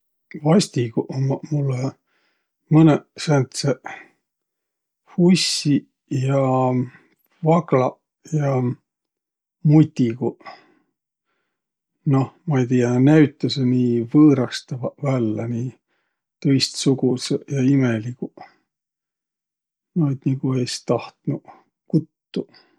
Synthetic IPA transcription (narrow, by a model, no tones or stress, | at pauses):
vɑsʲt̪iɡuʔomulːe | mɤnesænt̪se | husʲːi | jɑ | vɑklɑ | jɑ | mut̪ʲːiɡu | nohmɑejt̪ijɑnæɥt̪ːˑɑseniːvɤːɾɑst̪ɑvɑvælːɑniː | t̪ɤjst̪suɡusejɑimeliku | nod̪niɡuest̪ɑht̪nu | kut̪ːu